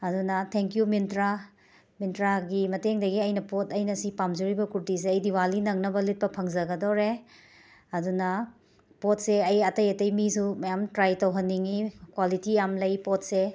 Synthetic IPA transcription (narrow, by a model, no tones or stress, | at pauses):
ɐdunɐtʰeŋkjumintɾa | mintɾaɡimɐteŋdɐɡiɐjnɐpotɐjnɐsipamzuɾibɐkuɾtis̬eɐjdiwalinɐŋnɐbɐlit̚pɐpʰɐŋzɐɡɐdoɾe | ɐdunɐ | pot̚seɐjɐtɐjɐtɐjmisumɐjamtɾajtɐwɦɐnːiŋikwalitijamlɐjpɔt̚se